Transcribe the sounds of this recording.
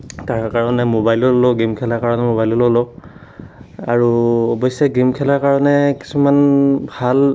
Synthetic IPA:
taɹkaɹɔnɛmobajlɔlɔlɔɡimkʰɛlaɹkaɹɔnɛmobajlɔlolɔ | a̰ɹuɔbɔjsɔɡimkʰɛlaɹkaɹɔnɛki̥sumanbʱal

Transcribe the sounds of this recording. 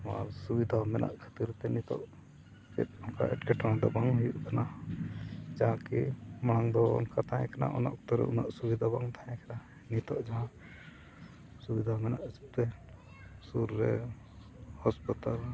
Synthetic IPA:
asubid̪ʱamɛna̰ʔkʰə̥t̪iɾt̪ɛnit̪ɔʔ | pɛ̰t̪̚ɔnka̰ʔɛ̰ʈkɛʈãad̪ɔbaŋɦujuʔkana | d͡ʒaɦãkimaɽ̃aŋd̪ɔɔ̰nkat̪ãjɛ̃kana̰ʔɔna̰ʔkt̪ɔɾɛ̰una̰ʔsubid̪ʱabaŋt̪ʰajɛ̃kana | nit̪ɔʔd͡ʒaɦã | subid̪ʱamɛnaʔsi̥p̚t̪ɛ | suɾːɛ̰ | hɔspit̪al

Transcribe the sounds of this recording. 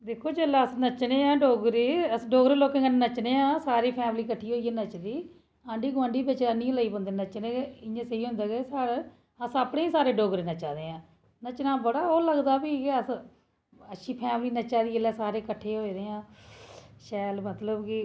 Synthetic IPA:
d̪eːkʰːoːd͡ʒeːlaːəsnət͡ʃnẽːãːɖoːɡɾiːəsɖoːɡɾeloːkẽŋɡənnət͡ʃnẽːãːsaːɾiːpʰɛːmliːkəʈʰːiːɦoːiːɛːnət͡ʃd̪iː | ãːɳɖiːɡʋãːɳɖiːbɪt͡ʃanĩːləiːpə̃nd̪eːnət͡ʃneːeɪɲãːsəiːɦʊ̃nd̪aːɡeːsaːɽ | əsəpɽẽːiːsaːɾeːɖoːɡɾeːnət͡ʃaːd̪eːãː | nət͡ʃnaːbəɽaːoːləɡd̪aːbiəs | əʃʰiːpʰɛːmliːnət͡ʃaːd̪iːəlɛːsaːɾeːkəʈʰːeːɦoːiɾeːãː | ʃɛːlmət̪ləbki

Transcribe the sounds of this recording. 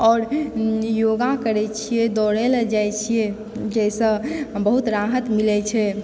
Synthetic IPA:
ɔːɾjoɡakəɾɛt͡ʃʰijed̪ɔɽɛld͡ʒajt͡ʃʰije | d͡ʒɛsə̃bəɦut̪ɾaɦət̪milɛt͡ʃʰɛ

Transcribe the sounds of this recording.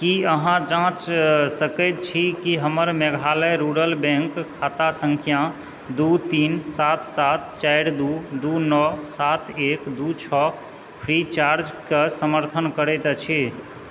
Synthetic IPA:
kiəɦãd͡ʒãt͡ʃsəkət̪t͡ʃʰikiɦəməɾmɛɡʱaləɾuɾəlbɛ̃ŋkkʰːat̪asəŋkʰijã | d̪ut̪insat̪ʰsat̪̚t͡ʃajɾd̪ud̪unɔsat̪ʰekd̪ut͡ʃʰɔ | pʰɾit͡ʃaɾd͡ʒkesəməɾt̪ʰənkəɾɛjt̪t͡ʃʰi

